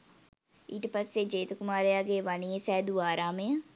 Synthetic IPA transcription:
iʈpəseːd͡ʒeːt̪kʊmaːɾeaːɡeːʋaːniesɛːd̪uːaːɾaːmẽːã

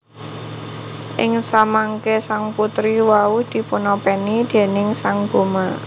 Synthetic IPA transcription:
ʔɪŋsamaŋkesaŋput̪ɾiwaud̪̥i̤punɔpɛnid̪̥e̤nɪŋsaŋɡ̥o̤ma

